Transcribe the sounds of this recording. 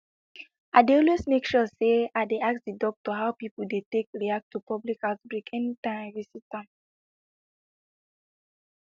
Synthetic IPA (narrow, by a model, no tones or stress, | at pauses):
aɪdeɔlwesmekʃuseaɪdeaksdidɔk̚tuɦaʊpipl̩detek̚ɹiak̚tʰupɔblikatbɹikʰɛnitãɪmvisitãm